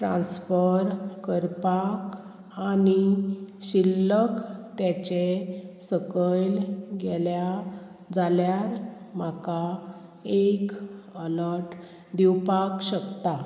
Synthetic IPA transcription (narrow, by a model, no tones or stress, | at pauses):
ʈɾã̰nsfəɾkəɾpak | aniɕilːəkt̪jat͡ɕesəkəlɡɛlja | d͡zaljaɾ | m̤aka | ekələɾʈ | d̪iwpakɕəkt̪a